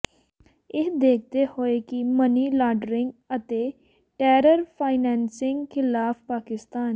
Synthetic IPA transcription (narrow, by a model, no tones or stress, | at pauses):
ɪɦd̪eːk̚ʰt̪ehoːeːkiməniːlaːɖɾɪ̃ŋɡət̪eː | ʈɛːɾəɾpʰaːɪnɛ̃ːnsɪ̃ŋɡkʰɪlaːppaːkɪst̪aːn